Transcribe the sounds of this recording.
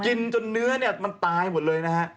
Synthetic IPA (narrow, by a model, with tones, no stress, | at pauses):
ki˧nt͡ɕo˧nːɯ˦˥ɐni˥˩ɐma˧nt̪aː˧jmo˨˩t̪̚lɤː˧jna˦˥ha˦˥ʔ